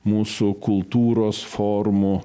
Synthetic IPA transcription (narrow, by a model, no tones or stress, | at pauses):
muːsʊkʊlˠt̪uːɾoːsfoɾmʊ